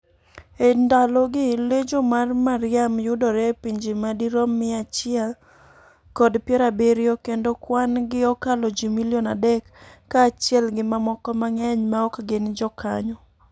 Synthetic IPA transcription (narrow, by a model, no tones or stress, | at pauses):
endalɔɡɪled͡ʒomarmaɾɪamjʊdɔɾɛpiɲd͡ʒimadiɾɔmːɪat͡ʃɪɛl | kɔdpjɛɾabeɾiokendokwanɡɪɔkalɔd͡ʒimiljɔnadɛkːaːt͡ʃɪɛlɡɪmamɔkɔmaŋɛɲmaɔkɡɪnd͡ʒɔkʰa̰ɲɔ